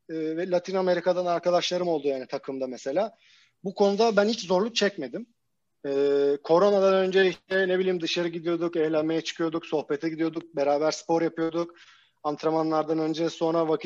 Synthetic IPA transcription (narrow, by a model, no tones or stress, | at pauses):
ɛːvɛlʲˠat̪ʰiname̞ɾikʰad̪anaɾkad̪aʃlˠaɾɯmo̞lˠd̪ujaːnit̪ʰakʰɯmd̪amese̞lʲaː | bukʰo̞nud̪abænhit͡ʃzo̞ɾlˠuk̚t͡ʃʰɛcme̞d̪im | ɛːkʰo̞ɾo̞nad̪anø̞nd͡ʒeiɛnebilʲiːmd̪ɯʃaɾɯɟid̪ijo̞d̪ukɛçlʲænme̞jɛt͡ʃʰɯ̥kʰɯjo̞d̪ukso̞xpet̪ʰɛɟid̪ijo̞d̪uk̚be̞ɾaːbæɾspo̞ɾjapɯjo̞d̪uk | ant̪ʰɾamanlˠaɾd̪anø̞nd͡ʒɛso̞nɾavakʰ